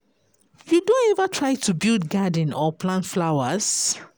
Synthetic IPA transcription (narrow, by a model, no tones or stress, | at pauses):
judõnɛvətʰɹajtʰubildɡadə̃nɔpʰlãntflaʊəs